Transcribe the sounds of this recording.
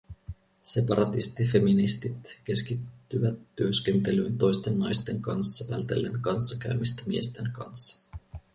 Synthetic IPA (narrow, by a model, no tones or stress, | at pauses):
se̞pɑɾɑt̪ist̪ife̞minist̪it̪ke̞skit̪ːyʋæt̪ːyø̞sk̟e̞nt̪e̞lynt̪o̞jst̪enːɑjst̪e̞ŋkɑnsːɑtælt̪e̞̰lːe̞ŋkɑnsːɑkæ̰ɥmist̪æmie̞st̪e̞ŋkɑ̰nsːɑ̥